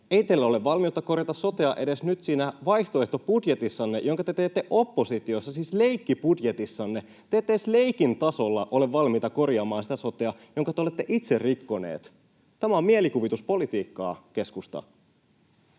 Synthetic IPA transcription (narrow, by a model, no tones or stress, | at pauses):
e̞it̪elːæo̞leʋʋɑlmiot̪ːɑko̞rjɑt̪ɑsso̞t̪eɑʔe̞de̞snyt̪siːnæʋɑjht̪o̞eht̪o̞budje̞t̪isːɑnːejo̞ŋkɑt̪e̞t̪e̞jt̪ːe̞ʔo̞pːo̞sit̪io̞sːɑsiːsle̞jkːibudje̞t̪isːɑnːe̞ | t̪eːt̪ːesle̞jkint̪ɑso̞lːɑʔo̞leʋːɑlmit̪ɑko̞rjɑːmɑːnsi̥t̪æso̞t̪eɑjo̞ŋkɑt̪eole̞t̪ːe̞ʔit̪se̞rrikːo̞nḛːt̪ | t̪æmæomielikuʋit̪uspo̞lit̪iːkːɑ̰ːke̞skust̪ɑ̰